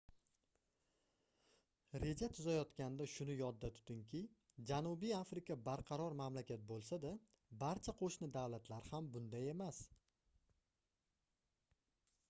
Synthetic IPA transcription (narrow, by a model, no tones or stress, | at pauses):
ɾe̞d͡ʒat̪ʰʊzajɒt̪kʲand̪aʃʊnɪjɒd̪ːat̪ʰʊ̥t̪ɪŋkʲʰɪ | d͡ʒanubijafɾɪkʰabaɾqʰɑɾɒɾmamlakʲʰat̪̚bolˠsad̪a | baɾt͡ʃʰaqʰoʃnɪd̪awlat̪ʰlaɾhambʊnd̪aje̞mas